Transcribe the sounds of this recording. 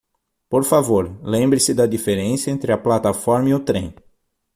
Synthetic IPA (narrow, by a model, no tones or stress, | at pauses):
poɾfavoɾlẽmbɾɪsɪd̪ɐd̪ifeɾẽsjɐẽnt̪ɾɪɐplat̪ɐfɔɾmɐiʊt̪ɾḛ̃j̃